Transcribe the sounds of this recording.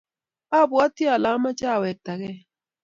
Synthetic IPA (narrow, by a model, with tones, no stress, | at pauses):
a˦˨bʊ˨ɔ˦ti˦a˨la˨˦ma˦t͡ʃa˦˨we˨ta˨ɣɛ˦